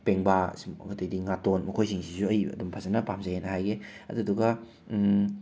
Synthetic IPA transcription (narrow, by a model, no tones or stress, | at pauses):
peŋbasɡɐtɐjdiŋatonmɐkʰojsiŋsisuɐjɐ̰dumpʰazɐnɐpamzaenɐɦajɡe | ɐ̰duɐduɡɐ